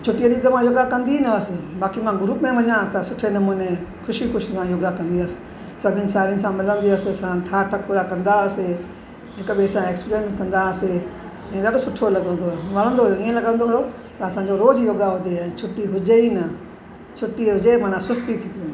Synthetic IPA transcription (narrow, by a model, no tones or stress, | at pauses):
t͡ɕʰʊʈiɗit̪̬ɐʋãjoɡakɐ̃nd̪inɐɐsebaːkimãɡɾuːpmẽʋɐ̃ɲãt̪ɐsʊʈʰenɐmuːnexʊʃixʊʃɪsãjoɡakɐ̃nd̪iɐsɪ̥ | sɐbʱɪnɪsaːɾiənɪsãmɪlə̃nd̪iəsɐsãʈʰaːɾʈʰɐk̚pʊɾakɐ̃nd̪aəse | ɦɪkʊɓiesãeːkspiɾiə̃nskɐ̃nd̪aɐse | ɛ̃ːɗaɗosʊʈʰolɐɡə̃nd̪oɦjomɐɽ̤̃ə̃nd̪oɦʊjoiːẽlɐɡə̃nd̪oɦijo | t̪ɐɐsãɲd͡ʑoɾoːd͡ʑjoɡaɦʊd̪eaːt͡ɕʰʊʈiɦʊd͡ʑeinɐ | t͡ɕʰʊʈiɦʊd͡ʑemaːnasʊst̪it̪ʰĩnt̪ʰiʋẽnii